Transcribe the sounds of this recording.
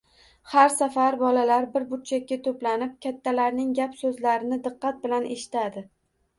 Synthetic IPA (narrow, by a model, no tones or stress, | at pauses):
haɾsafaɾbɒlalaɾbɪɾbʊt̪̚t͡ʃʰakʲːat̪ʰɵplanɪp̚kʲat̪ʰːalaɾnɪŋʲapsɵzlaɾɪnɪd̪ɨqːɑt̪̚bɪlanʔe̞ʃɪ̥t̪ʰad̪ɪ